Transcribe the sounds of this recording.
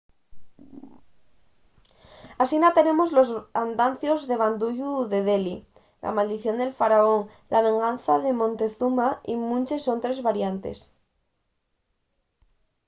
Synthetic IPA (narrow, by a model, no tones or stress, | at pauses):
asinat̪e̞ne̞mozlozand̪an̟θjozðe̞β̞and̪uʝuðe̞ðeli | lʔa̰mald̪iθjo̞nd̪e̞lfaɾaoŋ | laβ̞ẽ̞ŋɡanθaðemõnt̪e̞θumaimũnt͡ʃesont̪ɾe̞zβaɾjant̪e̞̰s